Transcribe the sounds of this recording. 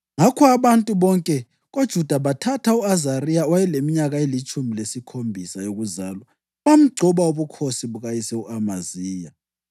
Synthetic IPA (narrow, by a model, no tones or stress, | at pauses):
ŋakʰɔaβantʼuβɔŋkʼɛ | ɣod̥ʒ̥ʱud̥ʱaβatʰatʰauazaɾijawajɛlemiɲaɣaelit͡ʃʼumilesikʰombʱisajoɣuzaːlwa | βam̩ɡ͡ǀʱɔβaoβukʰosiβuɣajisɛuʔamaziːja